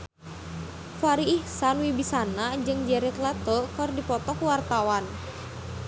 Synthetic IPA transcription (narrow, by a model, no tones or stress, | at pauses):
faɾiːhsanwibisanad͡ʒɨŋd͡ʒɛɾɛt̪lɛt̪ɔkərdipɔt̪ɔkuwart̪awan